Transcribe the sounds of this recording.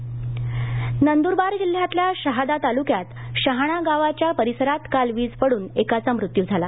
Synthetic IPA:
nənd̪uɾbaɾd͡ʑil̤jat̪ljaɕəɦad̪at̪alukjat̪ɕəɦaɽ̃aɡaʋat͡ɕjapəɾisəɾat̪kalʋiːd͡zpəɽuːnekat͡samɾut̪jud͡zʱala

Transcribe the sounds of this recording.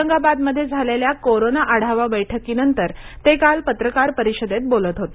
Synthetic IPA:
əŋɡabad̪məd̪ʱːjed͡zʱaleljakoɾonaʔaɽ̤aʋabəjʈʰəkiːnənt̪əɾ | t̪ekalpət̪ɾəkaɾpəɾiɕəd̪et̪̚bolət̪ɦot̪e

